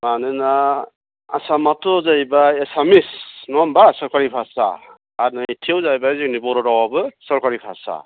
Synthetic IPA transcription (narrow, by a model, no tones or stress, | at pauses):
manɯna | a̰samatɔzajbaesamisnɔmbasɔɾkaɾipʰasa̰ː | ɾnatʰewzajbazik̚nibɔɾɔɾawabɯsɔɾkaɾipʰasa̰